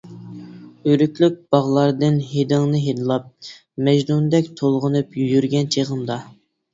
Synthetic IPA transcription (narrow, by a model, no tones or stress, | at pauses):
øɾykʲlyk̚ʲb̥ɑʁlˠɑɾd̪ɨnɦed̪ɪŋnɨɦed̪ɨlˠɑp̚ | mɛʒnund̪ɛkʲt̪ʰolˠʁʊnɨpjyjyɾɡʲɛnt͡ʃʰeʁəmd̪ɑ